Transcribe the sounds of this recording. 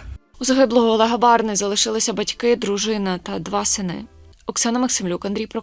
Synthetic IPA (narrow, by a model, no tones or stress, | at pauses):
uzɐɦɪblˠɔɦɔɔlˠɛɦɐbɑrnɪzɐlˠɪʃɪlˠɪsʲɐbɐtʲkɪd̪ɾuʒɪnɐt̪ɐd̪ʋɑsɪnɪ̰ | ɔksɑnɐmɐksɪmlʲukɐnd̪ʲɾʲijpɾɔ